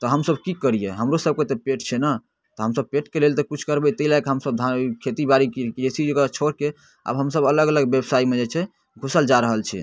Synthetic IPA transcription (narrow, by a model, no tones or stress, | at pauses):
t̪ɔɦəmsəbkikəɾijeɦəmɾosəb̚ket̪epeʈt͡ʃʰɛna | t̪ɔɦəmsəb̚peʈkelelt̪ɔkut͡ʃʰkəɾbɛt̪əɦilakɦəmsəb̚d̪ʱãkʰet̪ibaɾikkɾesid͡ʒekt͡ʃʰoɾke | ə̰bɦəmsəbələɡələɡbebsaimed͡ʒet͡ʃʰɛ | ɡʱusəld͡ʒaɾəɦəlt͡ʃʰɛ̰